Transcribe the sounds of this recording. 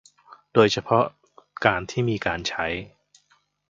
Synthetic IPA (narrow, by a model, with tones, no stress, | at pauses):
doː˧jt͡ɕʰa˧pʰɔ˦˥ | kaː˧nt̪ʰiː˥˩miː˧kaː˧nt͡ɕʰa˦˥j